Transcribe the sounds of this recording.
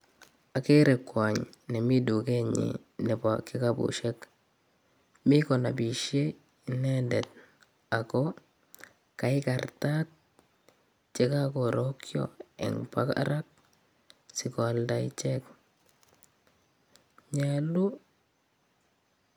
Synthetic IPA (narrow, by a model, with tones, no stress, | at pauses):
a˨ke˦ɾe˨kːwa˨ɲ | ne˨mi˦du˨ke˦ɲḭ˨ | ne˨pa˨ki˦ka˦bṵ˨ʃe˦k | mi˦ko˨na˨bi˨ʃe˦ | ne˦de˨t | a˨kɔ | ka˨i˦ka˨ɾta˦t̚ | t͡ʃe˦ka˦ko˨ɾo˦kjo̰ɛ̰˨ŋpa̰˦ka̰˦ɾa˦k̚ | si˨ko˨lda˨ḭt͡ʃe˦k | ɲelu˦